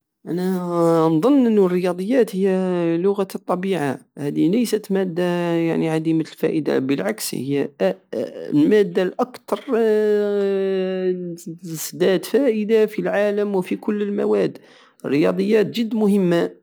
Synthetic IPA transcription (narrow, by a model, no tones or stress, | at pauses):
ʔænænðˤənːʔənːrːəjɑd̪ˤəjːæt̪həjːælʊɣat̪ˤːɑbiʕahæd̪iləjsət̪mæd̪ːajaʕniʕad̪imalfæ̰ʔəd̪a̰bəlʕakshə̰jːæ | lmæd̪ːalʔɑkt̪ɑɾˤ | sd̪æt̪fæʔəd̪afilʕaləmwfikʊlːəlmæ̰wæd̪ː | ərːəjɑ̰d̪ˤəjːæt̪ʒəd̪ːmʊhəmːa